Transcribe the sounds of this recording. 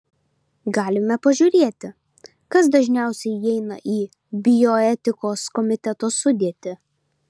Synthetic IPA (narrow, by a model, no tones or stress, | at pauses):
ɡɑːlʲɪmʲɛpɐʒʲuːɾʲeɛt̪ʲɪ | kɐs̬d̪ɐʒʲnʲæˑʊsʲɛɪɛɪnɐ̰ʔiː | bʲɪjɔɛt̪ʲɪkoːskɔmʲɪt̪ʲɛt̪oːsʊd̪ʲiɛt̪ʲɪ